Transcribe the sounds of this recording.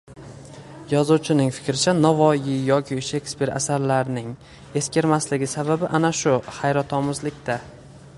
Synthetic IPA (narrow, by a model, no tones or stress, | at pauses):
jɒzuwt͡ʃʰɪnɪŋfɪ̥kʲɾɪt͡ʃʰanɒvɒjɪjɒkʲʰɪʃe̞kspe̞ɾa̰saɾlaɾnɪŋ | e̞skʲe̞ɾmaslɪɡʲɪsababɪʔanaʃʊhajɾɒt̪ʰɒmʊzlɪkʲt̪a